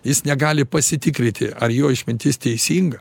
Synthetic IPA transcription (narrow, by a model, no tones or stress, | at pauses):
jɪsnʲɛɡɑːlʲɪpɐsʲɪt̪ʲɪkɾʲɪnʲt̪ʲɪʔɐrjoːɪʃmʲɪnʲt̪ʲɪst̪ʲɛɪsʲiːŋɡɐ